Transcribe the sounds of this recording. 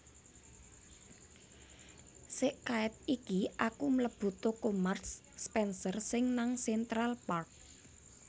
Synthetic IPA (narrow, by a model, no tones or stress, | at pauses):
sɪʔkaɪt̪̚ikiʔakumləb̥ṳt̪okomarsː | pɛnsərsɪŋnaŋsɛnt̪ɾalpark̚